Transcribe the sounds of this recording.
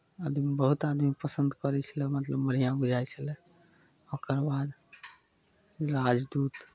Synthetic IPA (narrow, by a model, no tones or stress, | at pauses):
ad̪mibəɦut̪ad̪mipəsənd̪kɔɾɛt͡ʃʰəlɛmət̪ləbməɾijãbud͡ʒʱajt͡ʃʰəlɛ | okəɾbad̪ | ɾad͡ʒd̪ut̪